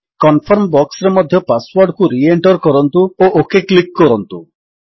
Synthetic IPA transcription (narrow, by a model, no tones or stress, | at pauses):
kɔnpʰɔɾmbɔkseɾmɔd̪ʱjɔpaswɔɾɖkuɾieɳʈɔɾkɔɾɔnt̪uoʔokeklikːɔɾɔnt̪u